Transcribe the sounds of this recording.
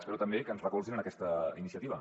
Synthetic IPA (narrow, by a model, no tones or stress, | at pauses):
əspɛɾut̪əmbekənzrəkulsinənəkɛst̪əinisiət̪iβə